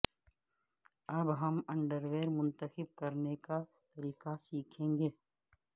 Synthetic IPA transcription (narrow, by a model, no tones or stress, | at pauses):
ɐbɦɐmɐ̃ɳɖəɾʋeːɾmʊ̃nt̪əxɪb̚kɐɾnekat̪ɐɾiːkasiːkʰẽːŋɡeː